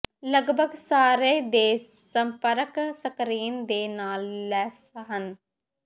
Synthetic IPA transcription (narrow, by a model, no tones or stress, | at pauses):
ləɡbʱəɡsaːɾeːd̪eː | səmpəɾəksəkɾiːnd̪eːnaːlːɛːsɦən